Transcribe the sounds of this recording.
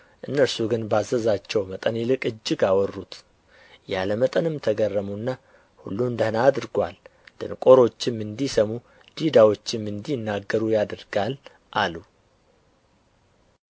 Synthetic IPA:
ʔɨnːəɾsuɡɨnbazəzat͡ʃːɛwmət̪ʼənjɪlɨkʼɨd͡ʒːɨɡawɔrːut̪ | jaləmət̪ʼənɨmt̪ʰəɡərːəmunːa | hṵlːuɨnd̪əhnaːd̪ɾɡʷa̰lt̪ʰɨ̰nkʼo̞ɾo̞t͡ʃːɪmɨnd̪isəmu | d̪̥id̪awo̞t͡ʃːɪmːɨnd̪ijnːaɡːəɾujad̪ɨɾɡal | ʔalu

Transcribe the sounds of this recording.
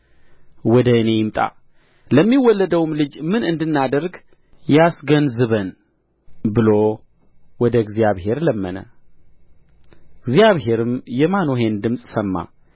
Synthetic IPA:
wɔd̪əɨne̞jɪmt̪ʼa̰ | ləmːiwɔlːəd̪əwmlɨd͡ʒmɨnɨnd̪ɨnːad̪əɾɡ | jasɡənzɨβən | bɨlo | wɔd̪əɡzjaβhe̞ɾləmːənə̰ | ɡzijaβɦe̞ɾɨmjɛmanoɦe̞nd̪ɨmsʼsəmːa̰

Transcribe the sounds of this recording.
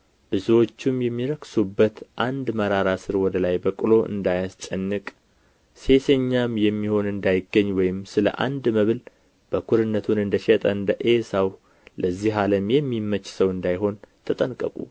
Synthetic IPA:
b̥ɨzuwo̞t͡ʃːumjɛmːiɾəksubːət̪ʔand̪məɾaɾasɨɾwɔd̪əlajbəkʼɨlo̞ʔɨ̰nd̪ajast͡ʃʼənːɨkʼ | se̞seɲːamjɛmːiho̞nɨnd̪ajɪɡəɲːwɔjɪmsɨlə̰ʔa̰nd̪məβɨl | b̥əkʰuɾɨnːət̪ʰunɨnd̪əʃɛt̪ʼəɨnd̪əʔesaw | ləzːiɦaləmjɛmːimːət͡ʃːsəwɨnd̪ajɦo̞nt̪ʰət̪ʼənkʼəkʼṵ

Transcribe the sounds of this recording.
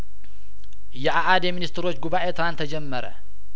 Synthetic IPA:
jɛʔaʔad̪jɛminist̪ɾo̞t͡ʃːɡuβaʔet̪ʰɨɾant̪ʰəd͡ʒɛmːəɾə̰

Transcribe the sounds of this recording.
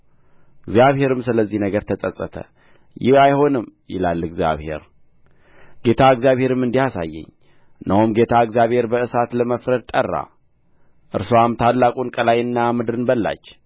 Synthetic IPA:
ɨɡzjaβhe̞ɾɨmsɨləzːihnəɡəɾt̪ʰəsʼəsʼət̪ʰə̰ | jɪhajho̞nɨmjɪ̰lalːɨɡzja̰βhe̞̰ɾ | ɡe̞t̪ʰaɨɡzjaβhe̞ɾɨmɨnd̪ihasa̰jːɛ̰ɲː | nʔəwumɡe̞t̪ʰaɨɡzjaβhe̞ɾbəɨsat̪ləməfɾəd̪̚t̪ʼərːa̰ | ʔɨɾsowamt̪ʰalːakʼunkʼəlajɨnːamɨd̪ɨɾɨnbəlːa̰t͡ʃː

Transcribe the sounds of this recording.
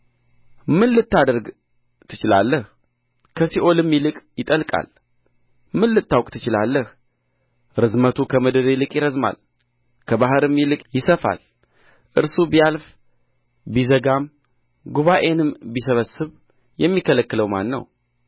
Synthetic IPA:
mɨnlɨt̪ːad̪əɾɡ | t̪ʰɨ̥t͡ʃɪla̰lːəh | kʰəsiʔo̞lɨmjilɨkʼjɪt̪ʼəlkʼa̰l | mɨnlɨt̪ːawkʼt̪ʰɨt͡ʃɪlalːəh | ɾɨzmət̪ʰukʰəməd̪əd̪elɨkʼjɪɾəzma̰l | kʰəbaɦɨɾɨmilɨkʼjɪsəfa̰l | ʔɨɾsubijalf | bizəɡam | ɡuβaʔe̞nɨmbisəβəsɨβ | jɛmːikʰələkːɨləwma̰nːə̰w

